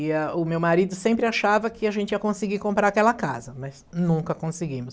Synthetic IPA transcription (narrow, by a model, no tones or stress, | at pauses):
iɐʊmewmaɾid̪ʊsẽmpɾɪaʃavɐkɪaʒẽnt͡ʃɪiɐkõsɪɡikõmpɾaɾakɛlɐkazɐmɐznũŋkɐkõsɪɡĩmʊs